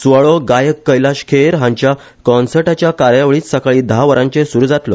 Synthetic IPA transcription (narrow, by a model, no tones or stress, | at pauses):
t͡suʋəɭɔɡajəkːəjlaɕkʰeɾɦãɲt͡ɕja | kɔnsəɾʈat͡ɕjakaɾjaʋɭiːt͡ssəkɭiːd̪ʱaʋəɾãɲt͡ɕesuɾuːd͡zat̪lɔ